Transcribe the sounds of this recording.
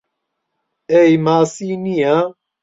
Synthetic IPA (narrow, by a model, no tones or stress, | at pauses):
ɛjmaːsiːnija